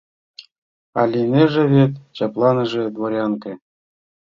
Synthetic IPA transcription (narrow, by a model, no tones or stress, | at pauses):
ɑ̰lʲinʲeʐɘ̆βet̪ʲt͡ɕɑplˠɑnɤ̆ʐɘ̆d̪voɾʲɑŋkʲɘ̆